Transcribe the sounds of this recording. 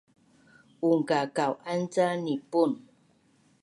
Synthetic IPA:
uŋ̩kakawant͡sanipun

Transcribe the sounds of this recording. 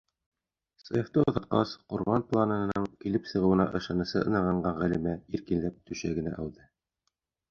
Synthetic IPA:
seft̪ɤŏðɤ̆q̚qɑ̰sqŭɾβɑnplˠanɤ̆ɤ̆nɤɴkilɘpsɤ̆ʁɤ̆wɤ̆nɑ̰ʔɤ̆ʃɑnɤ̆sɤʔɤ̆nɑʁɑɴɢɑʁælɘ̆mæiɾkinlæp̚t̪ɵ̆ɕæɡɘ̆næ̰ʔæwðɤ

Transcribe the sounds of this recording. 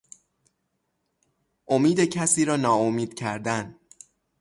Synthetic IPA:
ʔomiːd̪e̞cʰæsiːɾɒːnɒːomiːd̪̥cʰæɾd̪æn

